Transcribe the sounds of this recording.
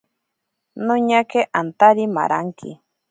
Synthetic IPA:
nʊɲakeʔant̪aɾima̰ɾaŋkʰḭ

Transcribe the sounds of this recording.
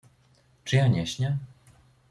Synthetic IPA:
t͡ʂɨjãɲɛɕɲɛ

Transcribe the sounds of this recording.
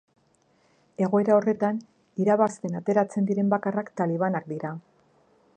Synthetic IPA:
e̞ɣ̞o̞e̞ɾao̞re̞t̪an | iɾaβast̪e̞nat̪e̞ɾat͡se̞nd̪iɾe̞mbakarakt̪aliβ̞anak̚d̪iɾa

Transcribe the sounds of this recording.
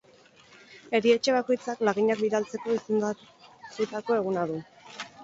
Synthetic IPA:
e̞ɾie̞t͡ʃe̞β̞ako̞jt͡saklaɣiɲak̚biðalt͡se̞ko̞isend̪ | sit̪ako̞e̞ɣ̞unaðu

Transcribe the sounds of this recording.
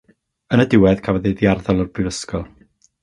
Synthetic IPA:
ənədɪwɛðkʰavəðiðiarðɔlˠɔrb̥rɨvəskɔlˠ

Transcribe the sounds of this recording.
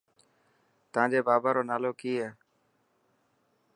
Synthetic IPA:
t̪ãːd͡ʒeːbaːbaːɾoːnaːloːkiːeː

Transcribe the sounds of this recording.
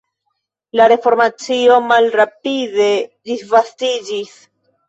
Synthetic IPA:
laɾe̞fo̞ɾmat͡sio̞malɾapide̞disvastid͡ʒis

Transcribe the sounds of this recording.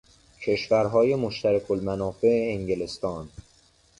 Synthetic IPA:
cʰe̞ʃvæɾɦɒːje̞moʃt̪æɾækʰolmænɒːfe̞eːŋɟelest̪ɒːn

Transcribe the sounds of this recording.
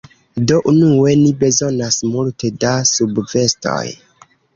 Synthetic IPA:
do̞ʔunue̞nibe̞zo̞nasmultʰe̞dasubve̞sto̰j

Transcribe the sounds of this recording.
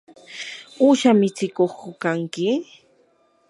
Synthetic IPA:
uːʃamɪt͡sɪkoχkʊkaŋkɪ

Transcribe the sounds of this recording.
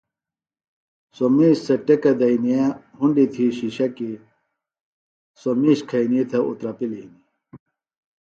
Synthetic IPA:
somiːɕsɐʈekɐd̪ɐinijaɦuɳɖit̪ʰiɕiɕɐki | somiɕkʰɐiniet̪ʰɐṵt̪ɾɐpilini

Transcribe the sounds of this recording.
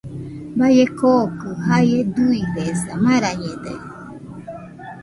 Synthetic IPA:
bajekokɯɦajed̪uiβesamãɾaɲẽd̪ḛ

